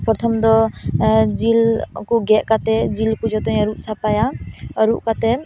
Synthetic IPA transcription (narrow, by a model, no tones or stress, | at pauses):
pɾɔt̪ʰɔmd̪ɔ | d͡ʒilkuɡɛʔkat̪ɛd͡ʒilkud͡ʒɔt̪ɔɲɔɾuʔsapajaɔɾuʔkat̪ɛ